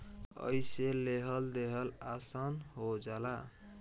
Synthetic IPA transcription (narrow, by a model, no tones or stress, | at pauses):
ʌ̰jseleɦʌld̪eɦʌlasʌnɦod͡ʒala